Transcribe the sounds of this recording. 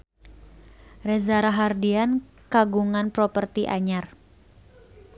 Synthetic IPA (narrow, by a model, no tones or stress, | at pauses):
rɛzaɾaɦardian | kaɡuŋanpɾɔpərt̪iʔa̰ɲar